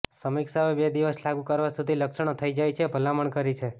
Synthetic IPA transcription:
səmiksaoebed̪iʋəslaɡukəɾʋasud̪ʱiləkʃəɳ̃ot̪ʰəid͡ʒajt͡ʃʰebʱəlaməɳkəɾit͡ʃʰe

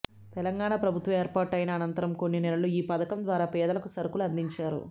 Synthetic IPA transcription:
t̪ɛlɐŋɡaːɳaːpɾɐbʱut̪ʋɐeːɾpaːʈɐjinɐːnɐnt̪ɐɾɐmko̞nːinɛlɐluiːpɐd̪ɐkɐmd̪ʋaːɾaːpɛːd̪ɐlɐkusɐɾɐkuluɐnd̪iɲt͡ʃaːɾṵ

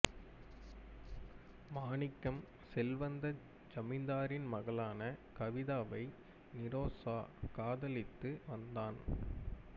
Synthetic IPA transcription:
maːnɪkːɐm | sɛlʋɐnd̪ɐ | d͡ʒɐmɪnd̪aːɾɪnmɐɣɐɭaːnɐkɐʋɪðaːʋɐɪ | nɪɾoːsaːkaːðɐlɪt̪ːɯʋɐnd̪aːn

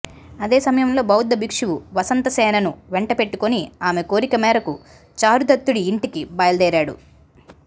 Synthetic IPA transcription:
ɐd̪e̞ːsɐmɐjɐmlo̞ːbɐwud̪ːɐbikʂuʋuʋɐsɐnt̪ɐsɛːnɐnuʋeɳʈɐpe̞ʈːukoniaːme̞ko̞ːɾikɐmɛːɾɐku | t͡ʃaːɾud̪ɐt̪ːuɽiːɳʈikibɐjɐld̪ɛːɾaːɽṵ

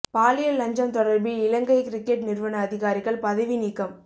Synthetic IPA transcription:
paːlɪjɐlːɐɲd͡ʒɐmt̪ɔɽɐɾbiɪlɐŋɡɐɪkɪɾɪkːeʈ̚nɪɾʋɐnɐːðɪɣaːɾɪɣɐɭpɐðɐʋiniːkːɐm

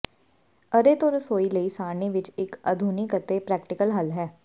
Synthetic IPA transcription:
əɾeːt̪oːɾəsoːiləiːsaːɾniʋɪt͡ʃɪkə̰d̪ʱuːniːkət̪epɾɛːkʈɪkəlɦəlɦɛː

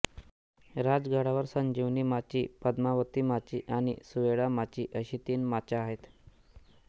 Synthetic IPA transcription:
ɾad͡zɡʱaɽaʋəɾsəɲd͡ʑiʋniːmat͡ɕipəd̪maʋət̪iːmat͡ɕiːʔaɽ̃ḭsuʋeɽamat͡ɕiːʔəɕiːt̪iːnmat͡ɕaːɦet̪

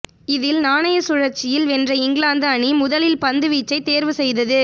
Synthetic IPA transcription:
ɪðɪlnaːnɐjɐsʊɻɐɾt͡ʃːɪjɪlʋɛndrɐɪŋɡlaːnd̪ɐːɳimʊðɐlɪlpɐnd̪ɯʋiːt͡ʃːɐɪt̪ːeːɾʋɯsɛjðɐðɯ

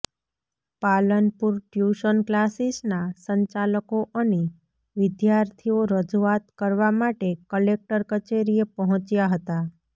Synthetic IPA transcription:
palənpuɾʈjuʃənklasisnasəɲt͡ʃaləkoʔəne | ʋɪd̪jaɾt̪ʰioɾəd͡ʒuat̪kəɾʋamaʈekəlek̚ʈəɾkət͡ʃeɾiepəɦɔ̃t͡ʃjaɦət̪a

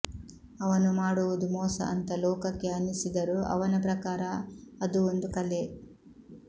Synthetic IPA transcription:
ɐʋɐnumaːɽuʋud̪umɔːsɐ̰ʔɐ̰nt̪ɐlɔːkɐkːeɐnisid̪ɐɾuɐ̰ʋɐnɐpɾɐkaːɾɐːd̪uond̪ukɐle

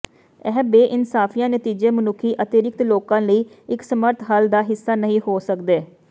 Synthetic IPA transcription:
ɛːbeːʔɪnsaːfʰijãːnət̪iːd͡ʒeːmənʊkʰiːʔət̪ɪɾɪk̚t̪loːkãːləiː | ɪksəməɾt̪ɦald̪aːɦɪsːaːnəɦĩːhoːsəkd̪eː

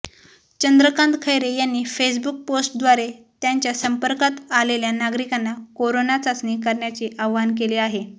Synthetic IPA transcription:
t͡ɕənd̪ɾəkãnt̪kʰəjɾejanːiːfes̬buk̚posʈd̪ʋaɾe | t̪jaɲt͡ɕjasəmpəɾkat̪aleljanaɡɾikanːakoɾonat͡sasnikəɾɳjat͡ɕiʔaʋʋankeleaɦe

